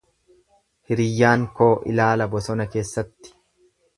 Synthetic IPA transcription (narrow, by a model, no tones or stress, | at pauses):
hɪɾɪjːaːŋko̞ːʔɪ̰laːlɐbɔsɔnɐke̞ːsːɐt̪ːɪ̥